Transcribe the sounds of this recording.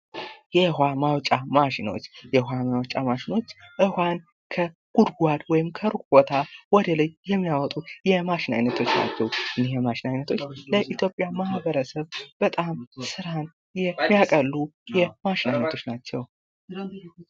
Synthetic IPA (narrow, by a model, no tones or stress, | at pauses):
jɛhwamawt͡ʃʼamaʃɪno̞̰t͡ʃːjɛhʷamawt͡ʃʼamaʃɪno̞t͡ʃːʔɨhwan | kʰə | ɡ̥ud̪ɡʷad̪wɔjɪmkʰəɾukʼbot̪ʰawɔd̪ələjːɛmːijawɔt̪ʼujɛmaʃɪna̰jnːət̪ʰo̞t͡ʃːna̰t͡ʃːɛwʔɨnːihjɛmaʃɪnajnːət̪ʰo̞t͡ʃːləʔit̪ʰjo̞pʼːjamahbəɾəsəβb̥ət̪ʼamsɨɾan | jɛmːijakʼəlːujɛmaʃɪnajnːət̪ʰo̞t͡ʃːnat͡ʃːɛw